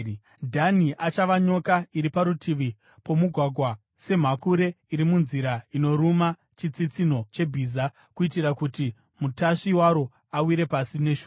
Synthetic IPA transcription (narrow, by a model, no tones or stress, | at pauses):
dʱaniʔat͡ʃaʋaɲo̞kaiɾipaɾutʰiʋi | po̞muɡʱwaɡʱwa | se̞m̤akuɾe̞ | iɾimunziɾaino̞ɾuma | t͡ʃit͡sit͡sin̤o̞t͡ʃe̞bʱiːza | kuitirakuti | mutaʂiwaɾo̞ | awiɾe̞pasine̞ʃu